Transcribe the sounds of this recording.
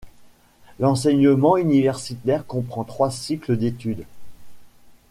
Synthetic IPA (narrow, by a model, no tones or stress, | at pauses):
lɑ̃sɛɲəmɑ̃ynivɛʁsit̪ɛʁkɔ̃pχɑ̃t̪χwasikləd̪et̪yd̪